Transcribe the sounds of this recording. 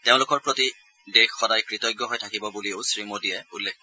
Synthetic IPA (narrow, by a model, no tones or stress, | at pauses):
teʊ̃lʊkɔɹpɹoti | dexxɔdajkɹitɔjɡːjɔɦojtʰakibɔbulioʊsɹimodiɛulːekʰ